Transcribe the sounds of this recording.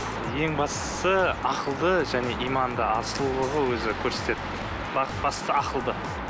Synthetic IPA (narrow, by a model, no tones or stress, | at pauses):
je̞ŋbɑst̪əsəɑqəlˠd̪əʒæne̞ʔijmɑnd̪əɑsəlˠulˠəʁəwɵzɪkʲʰɵɾse̞t̪e̞d̪ɪ | bɑb̥ɑst̪əɑqəlˠd̪ə